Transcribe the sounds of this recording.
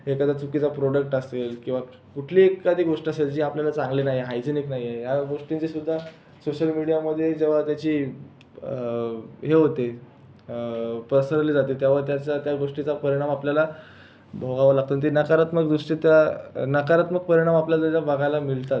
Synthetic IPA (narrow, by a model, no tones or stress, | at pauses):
ɦekad̪at͡sukit͡sapɾoɽək̚ʈəselkĩw̃ʋa | kuʈʰliːekːad̪ʱiːɡoʂʈiaseld͡ʑiːapljalat͡sãŋɡlinaɦieɦajd͡ʑeniknaɦieɦjaɡoʂʈint͡sesud̪ʱːa | soɕəlmiɽijaməd̪ʱːjed͡ʑeʋ̤at̪jat͡ɕiː | ɦeɦot̪e | pɾəsəɾliːd͡zat̪et̪jaʋəɾt̪jat͡ɕat̪jaɡoʂʈit͡sapəɾiɽ̃amapljala | bʱoɡaʋəlaɡ̚t̪ont̪̬inəkaɾat̪məɡd̪uʂʈit̪janəkaɾat̪məɡ̚pəɾiɽ̃amapljalat̪aabaɡʱalamilt̪at̪